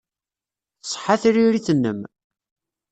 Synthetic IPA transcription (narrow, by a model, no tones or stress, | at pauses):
θsˤħaθɾiɾiθənːə̰m